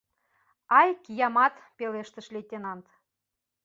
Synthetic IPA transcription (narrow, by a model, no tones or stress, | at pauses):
ɑjkijɑmɑt̪peleʃt̪ə̆ʃlʲet̪ʲːenɑnt̪